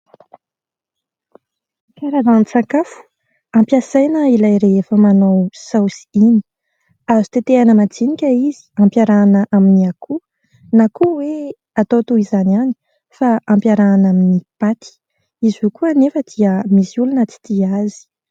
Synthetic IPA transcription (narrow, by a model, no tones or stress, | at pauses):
kaɾazanit͡sakafu̥ | ampjasajnəilajɾeefəmanawsawsi̥ini̥ | azit̪et̪eanəmat͡sinikʲəizi̥ãmpjaɾanəʔaminiakʰu | nakuwe | at̪ot̪oizanani̥ | faãmpjaɾaːnaminipat̪i̥ | izukuanefəd̪̥iəmisiulunət͡si̥t̪iazi̥